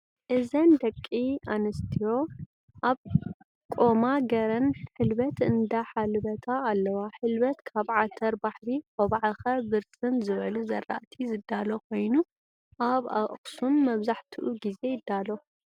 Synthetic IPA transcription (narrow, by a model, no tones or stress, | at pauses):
ʔɨzɐnd̪ɐkʼːianɐst̪ʰijo̞ | ʔaβ | kʼo̞maɡɐɾɐnħɨlbɐt̪ɨnd̪aħalbɐt̪ʰaːlːɐwaħɨlbɐt̪kʰaβʕat̪ʰɐɾbaħɾikoβaʕaxɐbɨɾsɨnzɨβɐluzɐ̰rːa̰ʔt̪ʰizɨd̪ːalokʰo̞jnu | ʔaβa̰ʔxsumːɐβzaħt̪ʰiʔuɡize̞jɪd̪ːalo